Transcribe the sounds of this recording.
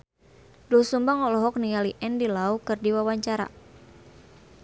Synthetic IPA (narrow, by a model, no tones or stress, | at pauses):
dɔsumbaŋɔlɔɦɔk̚niŋaliʔɛndilaukɨrdiwawaɲt͡ʃaɾa̰